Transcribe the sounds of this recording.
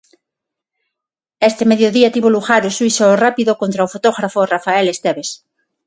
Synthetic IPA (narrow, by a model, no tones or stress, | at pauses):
est̪emeðjoðiat̪iβoluɣaɾoswisorapiðokont̪ɾaofot̪oɣɾaforafaelest̪eβes